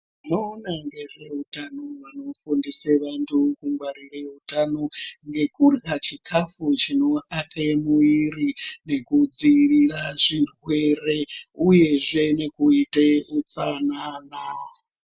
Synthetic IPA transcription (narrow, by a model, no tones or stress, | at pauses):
noːnaŋɡe̞ʐe̞utanoʋano̞fundiseʋantʰukuŋɡwaɾireutano̞ŋɡe̞kurɣat͡ʃikʰafut͡ʃino̞ʔatʰemuirine̞kud͡ziriraʐirwe̞re̞uje̞ʐe̞ne̞kuiteut͡sanana